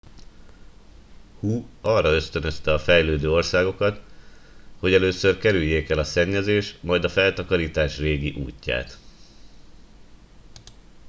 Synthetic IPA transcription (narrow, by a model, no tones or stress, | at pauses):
huːɒrːɒø̞st̪ø̞nø̞st̪ɛɒfɛjløːd̪øːo̞rsaːɡo̞kɒt̪ | ho̞ɟɛløːsørkɛɾyjːeːkɛlɒsɛɲːɛzeːʃmɒjd̪ɒfɛlt̪ɒkɒɾiːt̪aːʃreːɡiʔṵːcːa̰ːt̪